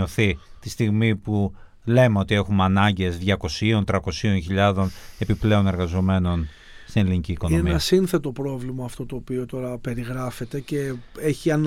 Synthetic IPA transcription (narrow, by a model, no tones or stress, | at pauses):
oθit̪ist̪iɣmipu | le̞meo̞t̪ie̞xumeɐnɐɲɟe̞zðʝɐko̞sio̞nt̪ɾɐko̞sio̞nçiʎɐðo̞ne̞piple̞o̞ne̞ɾɣɐzo̞me̞no̞n | st̪ineliniciːko̞nomeiɐsinθe̞t̪o̞pɾo̞vlimɐːft̪o̞t̪o̞ːpio̞t̪o̞ɾɐpe̞ɾiɣɾɐfe̞t̪e̞ce̞eçiɐn